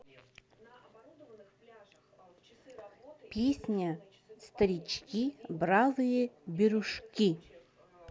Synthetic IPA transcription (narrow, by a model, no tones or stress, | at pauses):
pʲesʲnʲa | st̪ɐɾʲit͡ɕkʲibrazɨjebʲeɾuʂkʲi